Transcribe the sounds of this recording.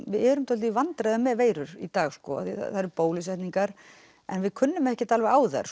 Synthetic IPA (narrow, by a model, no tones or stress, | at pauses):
vɪðɛɾʏmt̪ʰɔlt̪ivant̪ɾajðʏmɛðveːjɾʏɾḭt̪aːɣskɔ̰a̰θiθa̰θaðɾɪɾpoːwlɪsvɛht̪niŋkaɾ | ɛnvɪðkʰʏnːʏmɛhcɪt̪alvɛɣaːwθa̰ɾ̥